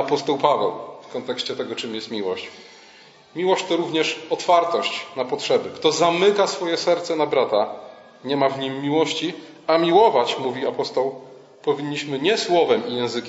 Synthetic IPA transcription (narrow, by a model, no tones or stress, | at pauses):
apɔst̪ɔwpavɛ̰wfkɔnt̪ɛkɕt͡ɕɛt̪ɛɡɔt͡ʂɘmjɛst̪mʲiwɔɕt͡ɕ | mʲiwɔɕt͡ɕt̪ɔɾuvɲɛʂɔt̪faɾt̪ɔɕt͡ɕnapɔtʂɛbɘkt̪ɔzamɘkasfɔjɛsɛɾt̪sɛnabɾat̪a | ɲɛmavɲimːʲiwɔɕt͡ɕi | amʲiwɔvat͡ɕmuvʲiapɔst̪ɔw | pɔvʲiɲːiɕmɘɲɛswɔvɛmijɛ̃w̃zɘkʲ